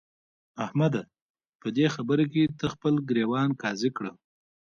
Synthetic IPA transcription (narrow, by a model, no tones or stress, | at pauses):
ahmad̪a | pəd̪exabəɾak̬et̪əxpəlɡɾewɑnkɑzikɽə